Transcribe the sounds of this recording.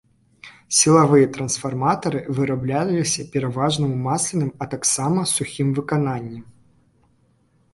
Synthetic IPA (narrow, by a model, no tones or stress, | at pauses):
sʲilˠavɨjɐt̪ɾɐnsfarmat̪ɐɾɨvɨɾablʲalʲisʲɐpʲɛɾavaʐnɨmumasʲlʲinɨmɐt̪aksamɐsuxʲimvɨkananʲːɛm